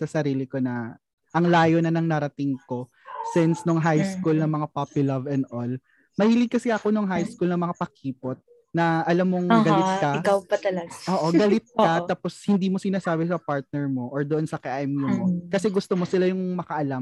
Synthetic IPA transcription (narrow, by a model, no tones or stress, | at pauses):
sɐsɐɾiːlɪko̞nɐ | ʔɐŋlaːjonɐnɐŋnɐɾɐt̪ɪŋko̞ | sɪnsnoŋɦajskulnɐmɐŋapapɪlɐvɛnd̪ʔol | mɐhiːlɪɡ̚kːɐsɛʔɐko̞noŋɦajskulnɐmɐŋapɐkʰiːpot̪̚ | nɐʔɐlamːoŋɡɐlɪt̪̚kɐkɐwpɐt̪ɐlɐɡaʔoːʔoɡɐlɪt̪̚kɐt̪aːposhɪnd̪iːmosɪnaːsaːbɛsɐpaɹt̪̚nɛɹmoʔoɹd̪oʔonsɐkɛʔamomokɐsɛɡʊst̪omo̞sɪlajʊŋmɐkɐʔɐlam